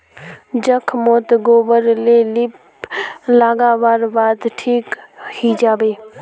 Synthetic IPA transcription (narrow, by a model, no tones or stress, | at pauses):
d͡ʒəkʰmoːt̪ɡoːbəɾlelɪp | laːɡaːbaːɾbaːd̪ʈʰiːkhiːd͡ʒaːbeː